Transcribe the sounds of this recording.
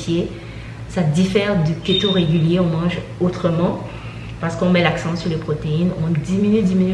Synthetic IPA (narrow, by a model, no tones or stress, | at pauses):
fje | sad̪ifɛʁd̪ykʲet̪oʁeɡʲyljeɔ̃mɑ̃ʒot̪χəmɑ̃ | paʁsə̥kɔ̃mɛlaksɑ̃syʁlepχot̪einɔ̃d̪iminyd̪iminy